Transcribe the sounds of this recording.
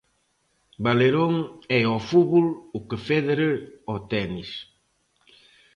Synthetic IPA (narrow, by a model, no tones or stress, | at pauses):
baleɾoŋɛɔfuβulʊkefeðeɾeɔt̪ɛnis